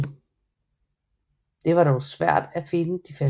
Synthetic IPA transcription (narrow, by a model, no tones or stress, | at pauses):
d̥e̝ʋɑ̈ɾɒʊsʋæɐ̰d̥æfe̝nəd̥ife